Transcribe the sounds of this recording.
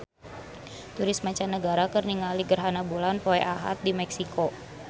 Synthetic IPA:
t̪uɾɪs̚mat͡ʃanːəɡaɾakərniŋaliɡərɦanabulanpoɛʔaɦa̰t̪̚dimɛksiko

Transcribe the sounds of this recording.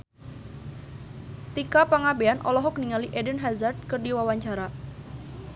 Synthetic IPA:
t̪ikapaŋabeanʔɔlɔɦɔk̚niŋaliʔedənɦazard̪̚kərdiwawaɲt͡ʃaɾa

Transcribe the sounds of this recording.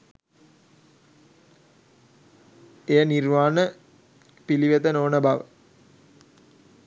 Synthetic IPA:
ejənirʋaːnə | piliʋet̪ənoːnəbaʋə̰

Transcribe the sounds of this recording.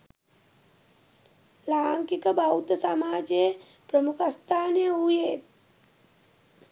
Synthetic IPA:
laːŋkikəbaut̪əsamaːd͡ʒe | pɾəmukʰəst̪ʰaːnjeɦujeːt̪̚

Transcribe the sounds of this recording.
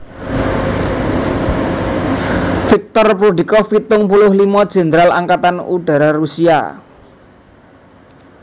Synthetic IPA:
fik̚t̪ɔrpɾud̪i̤kɔfit̪ʊŋpulʊhlimɔd̥ʒ̥ɛ̤nd̪ɾala̰ŋkat̪anuɖ̥a̤ɾarusia̰

